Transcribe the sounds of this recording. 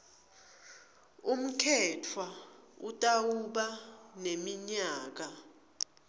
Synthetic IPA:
um̩kʰɛtʰwautʼawuɓanemiɲaːk̬a

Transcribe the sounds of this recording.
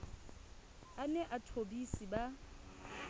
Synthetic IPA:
anɛʔatʰobisiba

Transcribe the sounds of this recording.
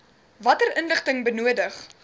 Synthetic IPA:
vɐtərənləχtəŋbənuədəχ

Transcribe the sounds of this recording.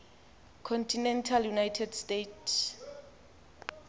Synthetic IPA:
kʰɔntʰinɛntʰaljunajtʰɛdstetʰs

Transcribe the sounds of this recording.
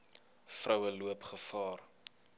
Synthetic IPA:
frəwəluəpχəfɑːr

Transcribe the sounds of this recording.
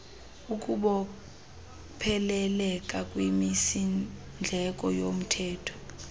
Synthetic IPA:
uk̬ʼuɓɔ | pʰɛlɛlɛk̬ʼakʼwimisi | nd͡ɮʱɛk̬ʼɔjom̩tʰɛːtʰɔ̥

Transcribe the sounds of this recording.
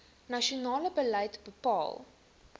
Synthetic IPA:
nɐʃionɑːləbəlɐjtbəpɑ̰ːlˠ

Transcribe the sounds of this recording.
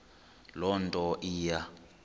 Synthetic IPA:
lɔntʼɔʔiːja

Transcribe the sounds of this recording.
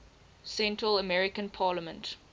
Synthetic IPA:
sɛ̃ntɹələmɛɹɪkə̃npʰɑːləmə̃nt

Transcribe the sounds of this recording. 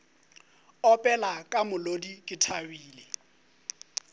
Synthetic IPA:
ɔpʼɛlakʼamʊlodikʼɪtʰawiːle

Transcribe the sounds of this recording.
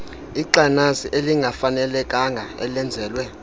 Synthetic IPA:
iǃanasiʔeliŋɡʱafanɛlɛkʼaŋɡʱaɛ̰lɛnd͡zʱɛːlwɛ

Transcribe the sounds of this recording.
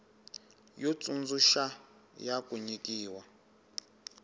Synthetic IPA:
jɔt͡sʼund͡zuʃajakʼuɲikiːwa

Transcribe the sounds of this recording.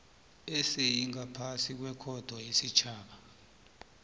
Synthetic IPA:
esejiŋapʰasik̬wɛkʰɔd̥ʱwɔjesit͡ʃʰaːɓa

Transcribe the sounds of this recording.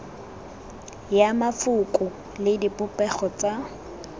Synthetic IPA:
jamafʊkʼʊ | lɪdipʼʊpʼɛχɔt͡sʼa

